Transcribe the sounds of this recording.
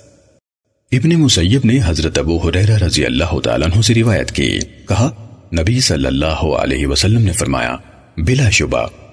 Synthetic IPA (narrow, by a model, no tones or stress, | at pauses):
ɪbnemʊsɐjːəbneɦɐzɾət̪ɐbuːɦʊɾɛːɾaɾɐzijɐ̰lːaːɦʊt̪a̰ːlaːnɦõseɾɪʋaːjə̰t̪kḭḛkɐɦanɐbisɐlːə̰lːaːɦoɐ̰lɛ̰ːɦiʋɐsɐlːəmnefɐɾma̰ːja̰ | bɪlaʃʊba̰